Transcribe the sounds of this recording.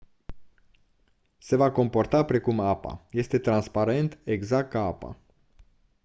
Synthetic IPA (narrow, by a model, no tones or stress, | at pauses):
se̞vako̞mpo̞rt̪apɾe̞kumapa̰je̞st̪e̞t̪ɾanspaɾe̞nt̪e̞ɡzak̚t̪̚kaapa̰